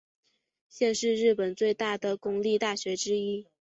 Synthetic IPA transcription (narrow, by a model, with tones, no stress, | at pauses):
ɕjɛ˥˧nʂɻ̩˥˧ɻɻ̩˥˩pə˨˩nt͡swe˥˧ɪt̪a˥˩d̪ə˩kʊ˥ŋli˥˧t̪a˥˩ɕɥɛ˧˥ʈ͡ʂɻ̩˥i˥